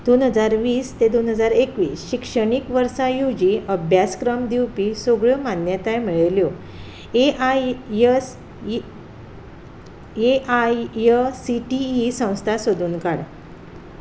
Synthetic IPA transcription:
d̪̥onɦəd͡zaɾʋiːst̪ed̪onɦəd͡zaɾekʋiːsɕikʂəɽikʋəɾsãjud͡ʑiəbʱjaskɾəmd̪iwpisoɡɭəmanjət̪ajm̤iɭeljo | e | s | eajəsiʈiːsə̃w̃st̪ʰasod̪ʱuːnkaɽ

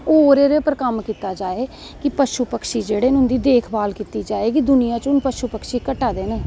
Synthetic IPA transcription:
oːɾeːɾepəɾkəmkiːt̪aːd͡ʒaːeː | kɪpəʃʊpəkʃiːd͡ʒeːɽeːnʊnd̪iːd̪eːkʰbaːlkiːt̪iːd͡ʒaːeːkid̪ʊnɪjãːt͡ʃʊnpəʃʊpəkʃiːkəʈaːd̪eːneː

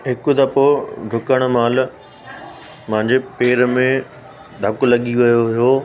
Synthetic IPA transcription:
ɦɪkʊd̪ɐpoɖʱʊkəɽ̃̆maːl | mɐ̃ɦɪ̃ɲd͡ʑepeːɾmẽ | d̪ʱɐkʊlɐɠiʋɐjoɦijoː

